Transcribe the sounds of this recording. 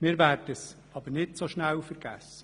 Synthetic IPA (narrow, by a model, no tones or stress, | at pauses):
mɪːɾvæːrdəs | ɑbəɾnɪtsoʃnæwfəɾɡ̥æsə̥